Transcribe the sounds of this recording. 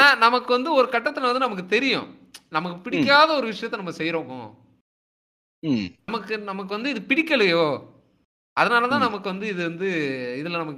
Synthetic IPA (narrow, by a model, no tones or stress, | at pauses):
aːnɐmɐkːɯʋɐnd̪ɯɔɾɯkɐʈːɐt̪ːɯlɐʋɐnd̪ɯnɐmɐkːɯt̪ɛɾɪjʊ̰̃ | nɐmɐkːɯpɪɽɪkːaːðɐɔɾɯʋɪʂɐjɐt̪ːɛnɐmːɐsɛjɾoːmõ̰ː | nɐmɐkːɯnɐmɐk̬ːɯʋɐnd̪ɯɪðɯpɪɽɪkːɐlɛjoː | ʔɐðɐnaːlɐt̪ãːnɐmɐkːɯʋɐnd̪ɯɪðɯʋɐnd̪ɯɪðɪlːɐnɐmɐkː